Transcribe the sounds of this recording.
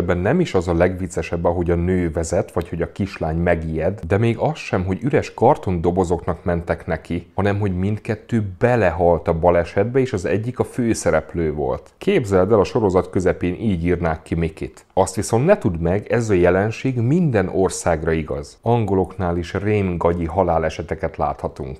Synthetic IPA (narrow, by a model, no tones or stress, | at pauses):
bːɛnːɛmiʃɒzɒlɛɡʋit̪sːɛʃɛbːɒɦo̞ɟɒnøːvɛzɛt̪ʋɒcho̞ɟɒkiʃlaːɲmɛɡijɛd̪d̪ɛmeːɡɒsʃɛmɦo̞ɟyɾɛʃkɒrt̪o̞nd̪o̞bo̞zo̞knɒkmɛnt̪ɛknɛkihɒnɛmɦo̞ɟmint̪kɛt̪ːøːbɛlɛɦɒlt̪ɒbɒlɛʃɛd̪bɛeːʃɒzɛ̰ɟːikɒføːsɛɾɛpløːvo̞̰lt̪keːbzɛld̪ɛlɒʃo̞ɾo̞zɒt̪kø̞zɛpeːnʔiːɟiːrnaːkːimikit̪ | ɒst̪ʋiso̞nt̪nɛt̪ud̪mɛɡɛzɒjɛlɛnʃeːɡmind̪ɛnʔo̞rsaːɡrɒiɡɒ̰z̥ɒŋɡolo̞knaːliʃreːnɡɒɟiɦɒlaːlɛʃɛt̪ɛkɛt̪la̰ːt̪hɒt̪ṵŋk